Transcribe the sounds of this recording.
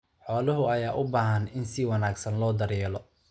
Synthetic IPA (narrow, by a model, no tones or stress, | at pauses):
ħɔːlɐɦʊɐjaːʔʊbaːɦɐnɪnsɪwɐnaːɡsɐnlɔːd̪ɐɾjɛːlɔ